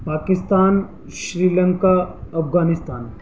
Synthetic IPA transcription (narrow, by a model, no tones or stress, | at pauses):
paːkɪst̪aːn | ʃɾiːləŋkaɐfɡaːnɪst̪aːn